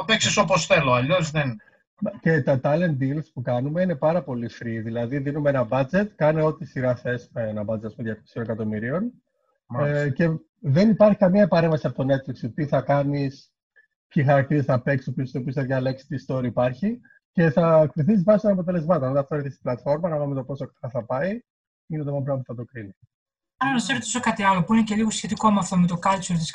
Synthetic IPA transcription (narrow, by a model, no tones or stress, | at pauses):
opeksisoposθe̞lo̞ɐʎo̞zðen | ce̞t̪ɐt̪ɐle̞n̚d̪ilspukɐnume̞ine̞pɐɾɐpo̞lifɾiðilɐðiðinumeenɐbɐd͡ze̞t̪kɐneo̞t̪it̪isiɾɐθesmeenɐbɐd͡zet̪ɐspumejɐksionekɐt̪o̞miɾio̞n | ce̞ | ðe̞nipɐɾçi̥kɐmiɐpɐɾe̞ɱvɐsiɐpot̪o̞ne̞t̪fliksot̪it̪iθɐkɐnis | ixɐɾɐk̚t̪iɾesθɐpe̞ksopisopiosθɐðʝɐle̞ksi̥t̪ist̪o̞ɾiːpɐɾçi | ce̞θɐkt̪iθisizvɐsnɐpo̞t̪̬e̞le̞zmɐt̪onot̪ɐft̪oɾeθist̪iblɐt̪fo̞ɾmɐnɐvumet̪opo̞sokt̪ɐθɐpɐi | ineomɐpɾɐpuθɐt̪o̞kɾini | ɐlɐnɐseɾot̪osokɐt̪iɐlo̞puinece̞liɣosçe̞t̪ikoɐmɐft̪omet̪okɐlt͡ʃuɾt̪is